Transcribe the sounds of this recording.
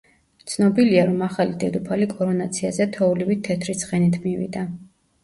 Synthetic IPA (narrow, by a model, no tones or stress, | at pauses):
t̪sʰnɔbiliaɾɔmaχalid̪ɛd̪upʰalikʼɔɾɔnat̪sʰiazɛt̪ʰɔulivit̪ʰːɛt̪ʰɾisχɛnit̪ʰmivḭd̪a